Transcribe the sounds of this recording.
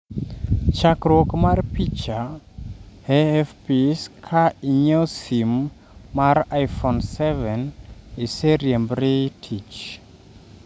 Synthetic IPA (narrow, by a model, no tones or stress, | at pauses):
t͡ʃakɾwokmarpit͡ʃa | eɛfpiskʰaiɲesimː | arajfɔnsɛvɛniseɾjembɾitʰit͡ʃ